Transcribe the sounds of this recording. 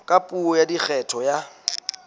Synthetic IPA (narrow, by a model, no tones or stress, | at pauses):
kʼapʼuɔjadik͡xʰɛtʰɔja